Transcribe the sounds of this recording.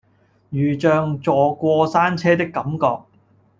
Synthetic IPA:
jyː˨˩t͡ʃœː˨˧ŋt͡sɔː˨kʷɔː˧saː˥nt͡sʰɛː˥t̪ɪ˥kːɐ˨˥mkɔ̰ː˧k̚

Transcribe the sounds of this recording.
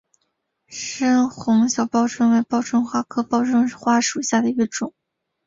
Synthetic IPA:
ʂə˥nxʊ˧˥ŋɕjɑ˨˩ʊpɑ˥ʊʈ͡ʂʰwə˥nwe˧˥ɪpɑ˥ʊʈ͡ʂʰwə˥nxwa˥˩kʰɤ˥pɑ˥ʊʈ͡ʂʰʊ˥ŋxwa˥ʂu˨˩ɕja˥˩d̪ə˩i˥˧ʈ͡ʂʊ˨˩˦ŋ

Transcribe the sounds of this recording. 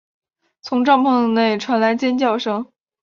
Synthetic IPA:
t͡sʰʊ˧˥ŋʈ͡ʂɑ˥˧ŋpʰɤ˥˧ŋ˧ne˥˩ɪʈ͡ʂʰwa˧˥nla˧˥ɪt͡ɕjɛ˥nt͡ɕjɑ˥˩ʊʂɤ˥ŋ

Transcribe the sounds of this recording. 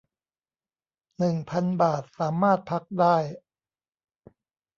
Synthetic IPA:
nɯ˨˩ŋpʰa˧nbaː˨˩t̪̚saː˩˦maː˥˩t̪̚pʰa˦˥k̚daː˥˩j

